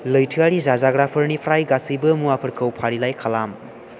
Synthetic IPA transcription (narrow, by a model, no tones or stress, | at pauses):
lɯjtʰiaɾizazaɡɾapʰɐɾnipʰɾajɡasibɐmuapʰɐɾkʰɐwpʰaɾilajkʰalam